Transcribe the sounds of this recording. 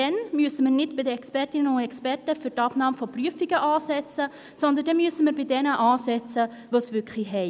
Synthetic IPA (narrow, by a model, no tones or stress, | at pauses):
d̥ɛnmyəsəməɾnɪdb̥ɪdəɛkspɛrtɪnənʊnɛkspɛrtəfyɾtɑpnɑːmfopryəfiɡəʔɑːsɛt͡sə | sɔnd̪əndɛnmyəsəməɾbɪdɛnəʔɑːsɛt͡sə | ʋoːsvʏkχliɦɛɪ